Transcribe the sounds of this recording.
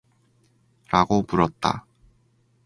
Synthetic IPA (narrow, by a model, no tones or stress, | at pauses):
ɾaɡopuɾʌt̚t͈a̰